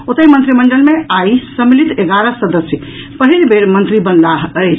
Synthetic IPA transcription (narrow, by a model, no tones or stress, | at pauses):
ot̪əjmənt̪ɾiməɳɖəlmeajsəmilit̪eɡaɾəsəd̪əsjə | pəɦilbʱeɾmənt̪ɾibənlaɦəjt͡ʃʰ